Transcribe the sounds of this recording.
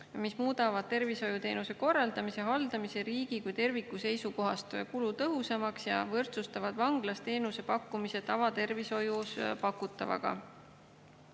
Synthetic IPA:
mismuːd̪̥ɑvɑd̪̥̚t̪e̞rviso̞jut̪e̞̰ːnuse̞ko̞rːɑld̪̥ɑmise̞ɦɑld̪ɑmise̞ɾiːɡ̥ikujt̪e̞rvikːˑuse̞jsuko̞ɦɑst̪kulut̪ɤɦusɑmɑksjɑ̰vɤrt̪sust̪ɑvɑd̪̥vɑŋɡ̥lɑst̪e̞ːnuse̞pɑkːumise̞t̪ɑvɑt̪e̞rviso̞juspɑkːut̪ːˑɑ̰vɑ̰ɡ̥ɑ̰

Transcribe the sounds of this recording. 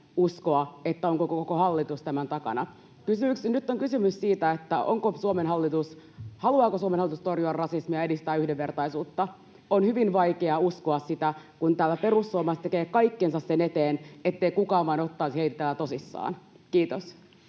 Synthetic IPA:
uskoɑet̪ːæoŋkokokokohɑlːit̪ust̪æmænt̪ɑkɑ̰nɑ | kysymyksnyt̪ːoŋkysymyssiːt̪æet̪ːæo̰ŋkosuomenɦɑlːit̪us | hɑluɑːkosuomenhɑlːˑit̪ust̪orjuɑrɑsismiɑedist̪æːyhdeʋʋe̞rt̪ɑisuːt̪ːɑ | onhyʋinʋɑikeɑuskoɑssit̪ækunt̪æːlæpe̞rusːuomɑst̪ekeːkɑikːensɑssenet̪eːnet̪ːeikukɑːʋʋɑinot̪ːɑːˑsiheit̪æt̪æːlæt̪o̞sisːɑ̰ːn | kiːt̪os

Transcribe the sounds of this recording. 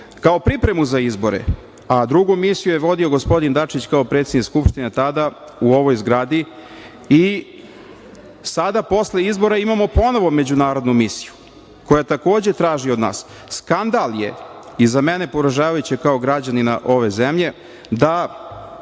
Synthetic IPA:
kaopɾipɾe̞muzaizbo̞ɾḛ | ad̪ɾuɡumisijujeʋo̞d̪io̞ɡo̞spo̞d̪ind̪at͡ʂit͡ɕkaopɾet̪sed̪nikskupʃt̪inet̪ad̪a | uo̞ʋo̞jzɡɾaːd̪i | i | sad̪apo̞sle̞izbo̞ɾaimamo̞po̞no̞ʋo̞me̞d͡ʑunaːɾo̞d̪numisi̥ju | ko̞jat̪ako̞ːd͡ʑe̞t̪ɾaːʒiod̪na̰ːs | skand̪aljḛizamene̞poɾaʒaːʋajut͡ɕekao̞ɡɾad͡ʑanina̰ʔo̞ʋe̞zemʎe̞ | d̪a

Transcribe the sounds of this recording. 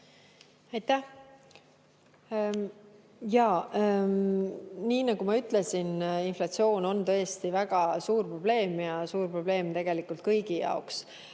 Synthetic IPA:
ɑjt̪æh | jɑː | niːnɑɡ̥umɑyt̪ˑle̞sininflɑt̪sio̞ːno̞nt̪ɤ̞st̪ivæɡ̥ɑsuːrpro̞b̥le̞ːmjɑsuːrpro̞b̥le̞ːmt̪e̞ɡ̥e̞likːˑult̪̚kɤjɡ̥ijɑ̰oks

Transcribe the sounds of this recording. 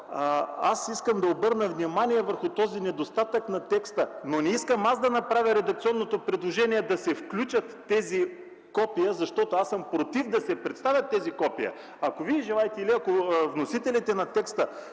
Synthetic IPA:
asiskəmd̪ɐobɤɾnəvnimanijɛvəɾxʊt̪ɔzinɛd̪ost̪at̪əknɐt̪ɛkst̪ənonɛiskəmasd̪ɐnɐpɾavʲəɾɛd̪ɐk̚t̪siɔnːot̪opɾɛd̪lˠoʒɛniɛd̪ɐsɛfklʲut͡ʃət̪ːɛzi | kɔpiəzɐʃt̪ɔt̪oasəmpɾot̪ifd̪ɐsɛpɾɛt̪st̪avʲjɐt̪ːɛzikɔpijə̰ | ɐkoviɛʒɛlˠajt̪ɛiliɐkovnosit̪ɛlit̪ɛnɐt̪ɛkst̪ə

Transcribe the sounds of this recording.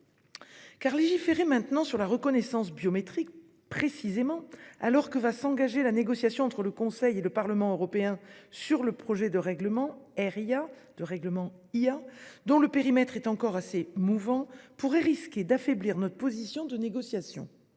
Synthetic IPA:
kaʁleʒifeʁemɛ̃t̪nɑ̃syʁlaʁəkɔnɛsɑ̃sbjɔmet̪χik̚ | pχesizemɑ̃a̰lɔʁkəvasɑ̃ɡaʒelaneɡɔsjasjɔ̃ɑ̃t̪χələkɔ̃sɛjeləpaʁləmɑ̃øʁɔpeɛ̃syʁləpχɔʒɛd̪əʁɛɡləmɑ̃ɛʁia | d̪̥əʁɛɡləmɑ̃ | iad̪ɔ̃ləpeʁimɛt̪χɛt̪ɑ̃kɔʁasemuvɑ̃puʁɛʁiskʲed̪afɛbliʁnɔt̪χəpɔzisjɔ̃d̪əneɡɔsjasjɔ̰̃

